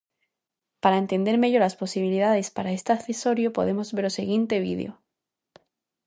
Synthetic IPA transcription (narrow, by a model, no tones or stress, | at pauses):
paɾaent̪e̞nd̪e̞ɾme̞ʝolaspo̞siβiliðað̞e̞spaɾaest̪eaθeso̞ɾjopo̞̰ðe̞mo̞zβe̞ɾoseɣjent̪e̞β̞ḭð̞ḛo̰